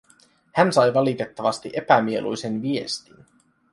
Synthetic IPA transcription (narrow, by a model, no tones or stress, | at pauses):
hænsɑjʋɑlit̪e̞t̪ːɑʋɑst̪iʔe̞pæmie̞lʔujse̞nʋie̞̰st̪in